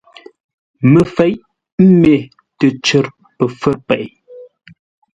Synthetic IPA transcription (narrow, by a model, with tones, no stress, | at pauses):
mə˨fɛ˦jʔ | m̩˦me˨ | tə˨t͡ʃə˨ɾ | pə˨fə˦ɾpɛ˨ʔ